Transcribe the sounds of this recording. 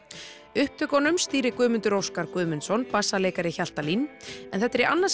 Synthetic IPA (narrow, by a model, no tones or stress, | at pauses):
ʏhp̚t̪ʰʏkɔnʏmst̪iːɾɪkʏːmʏnt̪ʏɾowskaɾkʏːmʏnsɔnpasːaleːjkaɾɪçal̥t̪alinɛnθɛt̪ːɛɾiʔa̰nːas